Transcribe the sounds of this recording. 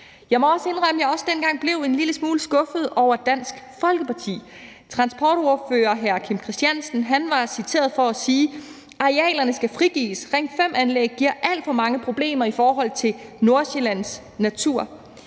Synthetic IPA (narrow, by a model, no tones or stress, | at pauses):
jɑ̈ɪmɒ̽ɒ̽səe̝nʁɑ̈məjɑ̈ɒ̽səd̥enɡ̥ɑ̈ŋ̰b̥le̝ʊe̝nliləsmuːləsɡ̥ɔ̽fð̞̩ˠʔɒʊ̰ɐd̥æn̰sɡ̥fɒ̽lɡ̥əpɑ̈t͡sʰḭː | t͡sʰʁɑ̈nsb̥ɒːɾ̥o̝ɐføːɐɦæɐkʰimkʰʁisd̥jænsn̩ɦænʋɑ̈sit͡sʰe̝̰ːɐð̞ˠfɒ̽æsiː | ʔɑ̈ʁeɛ̰ːlɐnəsɡ̥æfʁiɡ̥ḭːsʁeŋ̰d̥fem̰ænleɡ̥̚ɡiɐ̰ʔæl̰d̥fɒ̽mɑ̈ŋəpʰʁo̝b̥le̝̰ːmɐifɒːɦɒ̽l̰t͡sʰe̝no̝ɐselæn̰s | næt͡sʰuɐ̰